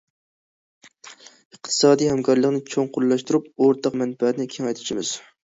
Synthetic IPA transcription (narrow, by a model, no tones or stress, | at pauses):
əqt̪ʰɨ̥sɑːd̪ijhɛmkʰɑɾlˠəqnɪt͡ʃʰoŋqʰollːˠɑʃt̪uɾup̚oɾt̪ʰɑqmɛnpɛnɪkʲʰeŋɛjt̪ʰɪ̥t͡ʃʰimɪz̥